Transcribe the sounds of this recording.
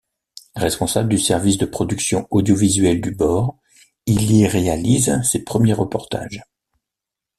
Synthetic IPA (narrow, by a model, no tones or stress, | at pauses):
ʁɛspɔ̃sabləd̪ysɛʁvisd̪əpχɔd̪yksjɔ̃ɔd̪jɔvizɥɛld̪ybɔʁ | iliʁealizsepχəmjeʁəpɔʁt̪a̰ʒ